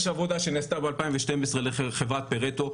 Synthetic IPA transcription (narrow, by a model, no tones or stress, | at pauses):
ʃavo̞d̪aʃenest̪abealpaimveʃtemesʁeleχevʁat̪̚peʁet̪o